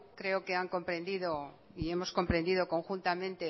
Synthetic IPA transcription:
kɾe̞oke̞aŋko̞mpɾe̞nd̪iðo̞ | ie̞mo̞sko̞mpɾe̞nd̪iðo̞ko̞ŋxunt̪amẽ̞nt̪e̞

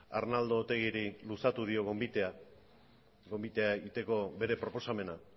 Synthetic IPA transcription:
a̰ɾnald̪o̞ːt̪e̞ɣiɾilusat̪uðio̞ɣ̞ombit̪ea | ɡo̞mbit̪e̞aeɣit̪e̞ko̞be̞ɾe̞pɾo̞po̞same̞na

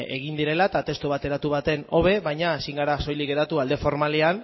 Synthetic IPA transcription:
e̞̰ɣ̞ind̪iɾe̞laet̪at̪e̞st̪uβat̪e̞ɾat̪uβ̞at̪e̞no̞β̞e̞βajɲaːsiŋɡaɾaso̞jliɣeɾat̪uald̪e̞fo̞ɾmalean

